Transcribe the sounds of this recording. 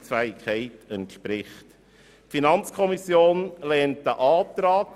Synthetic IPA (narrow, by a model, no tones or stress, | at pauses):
sfæːɪkχɛɪtɛntʃpɾɪχt | finɑnt͡skʰɔmisjoːnlɛːnt̚dəʔɑːtɾɑːk